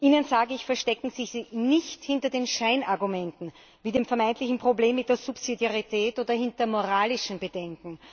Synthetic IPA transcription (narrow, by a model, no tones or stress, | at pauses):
ʔiːnənzaːɡəɪçfɛɐʃtɛkŋ̩z̥ɪçz̥iːnɪçthɪntɐdeːnʃaɪnaɐɡumɛntn̩ | viːdeːmfɛɐmaɪntlɪçn̩pʁ̥obleːmːɪt̚d̥eːɐzupsidjaʁitʰɛːtʔoːdɐhɪntɐmoʁaːlɪʃn̩bədɛŋkŋ̩